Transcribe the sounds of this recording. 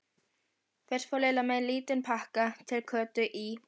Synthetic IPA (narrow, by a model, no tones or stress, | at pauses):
fɛr̥fɔleːlamɛðliːt̪ɪnpʰahkat̪ʰɪlkʰœːt̪ʏʔi